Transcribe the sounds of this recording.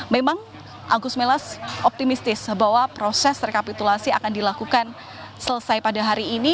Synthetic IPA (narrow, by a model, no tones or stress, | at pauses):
memaŋ | ʔa̰ɡʊs̚melasʔɔp̚t̪imist̪ɪsbawapɾosɛst̪ərkapit̪ulasiakandilakukan | sələsajpadaɦaɾiːni